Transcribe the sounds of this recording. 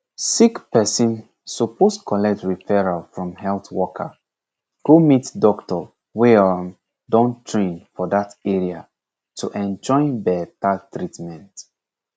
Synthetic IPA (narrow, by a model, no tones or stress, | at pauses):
sikpɛsĩn | supʰostkʰɔlɛk̚tɹifɛɹalfɹɔ̃mɦɛlθwɔkʰə̰ | ɡ̥omitdɔktɔ | weam | dɔ̃ntʰɹẽnfɔdatɛɹia | tʰuʔɛ̃nd͡ʒɔ̃ɪ̃nbɛtatɹitmɛ̃nt